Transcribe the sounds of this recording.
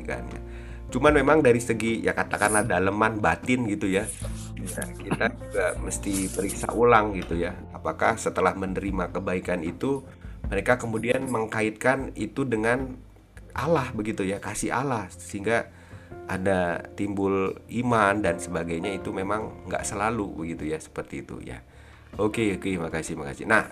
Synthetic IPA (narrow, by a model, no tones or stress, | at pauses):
ka̰nja̰ | t͡ʃumanmemaŋdaɾisəɡija̰kat̪akanadaləmanbat̪ɪnɡit̪uja | a̰kit̪ad͡ʒuɡaməst̪ipəɾiksa̰ʔulaŋɡit̪uja | apakahsət̪əlahmənəɾimakəbaikanit̪u | məɾekakəmudianməŋkaɪt̪̚kanit̪udəŋan | ʔa̰lahbəɡit̪ujakasiɦa̰lahsəɦiŋɡa | ʔa̰dat̪imbʊlimandansəbaɡajɲait̪umemaŋŋɡa̰ʔsəlalubəɡit̪ujasə̥pərt̪iːt̪ṵja̰ | okeokeimakasihimaka̰sḭnah